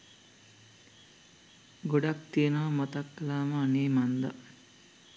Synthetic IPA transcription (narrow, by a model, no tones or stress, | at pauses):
ɡoɖakt̪ijenəʋɐmot̪akːɐlaːməaneːmand̪ɐ̰